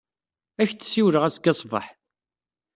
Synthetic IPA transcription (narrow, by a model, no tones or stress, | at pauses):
æçt͡sːsiwɾəʁæsɡɑsˤvɑ̰ħ